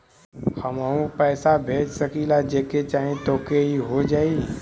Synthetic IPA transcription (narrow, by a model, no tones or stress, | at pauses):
həmaɦũpəːsabʱeːt͡ʃsəkilad͡ʒeket͡ʃãɦĩt̪okeiɦod͡ʒaːiː